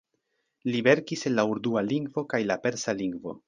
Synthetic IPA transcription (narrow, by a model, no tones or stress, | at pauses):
libe̞ɾkise̞nlauɾd̪ualiŋɡvo̞kajlape̞ɾsaliŋɡvo̞̰